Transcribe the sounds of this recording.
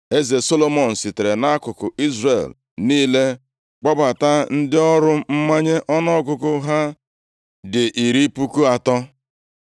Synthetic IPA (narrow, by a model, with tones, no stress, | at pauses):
e˦ze˨so˦lo˦mɔ˨n̩˨sɪ˨te˨ɾe˨na˦a˦kʊ˨kʊ˨i˦zre˨l | niː˦le˦ | k͡pɔ˦ba˨ta˦n̩˦dɪ˦ɔ˦ɾʊ˦m̩˦ma˦ɲe˦ʔɔ˦nɔ˦k̬ʊ˦kʊ˦ɦa˦ | dɪ˨ʔi˨ɾi˦pu˦ku˦a˨tɔ˦